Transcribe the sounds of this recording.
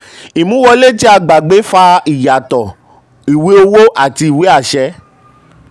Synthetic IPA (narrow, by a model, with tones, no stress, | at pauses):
i˨mũ˨˦wɔ˧le˦˨ti˦a˧ɡ͡ba˨ɡ͡be˨˦fa˧i˨ja˨tɔ˨ | i˨we˨˦o˧wo˦ʔa˦˨ti˧i˨we˨˦a˦˨ʃɛ˧˦